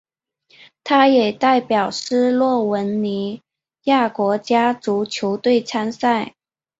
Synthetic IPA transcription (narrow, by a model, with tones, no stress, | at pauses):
t̪ʰa˥jɛ˨˩t̪a˥˩ɪpjɑ˨˩ʊʂɻ̩˥lwɔ˥˩wə˧˥nni˧˥ | ja˥˩kwɔ˧˥t͡ɕja˥ʈ͡ʂu˧˥t͡ɕʰjo˧˥ʊt̪we˥˩ɪt͡sʰa˥nsa˥˩ɪ